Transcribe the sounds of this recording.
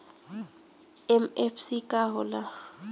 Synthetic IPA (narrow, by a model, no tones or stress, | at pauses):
ɛm̩efsikʼaɦʊla